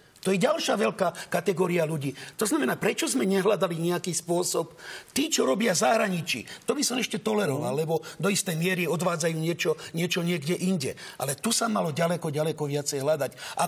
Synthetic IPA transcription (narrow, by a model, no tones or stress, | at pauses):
t̪ɔjɛɟalʃaʋɛʎkaːkat̪ɛɡɔːɾialuɟiːt̪ɔznamɛnaːpɾɛt͡ʃɔzmɛɲɛɦlad̪aliɲɛakiːspʊɔsɔpt̪iːt͡ʃɔɾɔbɪazaɦɾaɲit͡ʃḭt̪ɔbisɔmɛʃcɛt̪ɔlɛɾɔʋa̰lːɛbɔd̪ɔist̪ɛjmɪɛɾiɔd̪ʋaːd͡zajuːɲɪɛt͡ʃɔɲɪɛt͡ʃɔɲɪɛɡɟɛʔinɟɛ̰ʔa̰lɛt̪usamalɔɟalɛkɔɟalɛkɔʋɪat͡sɛjɦlad̪acʔa̰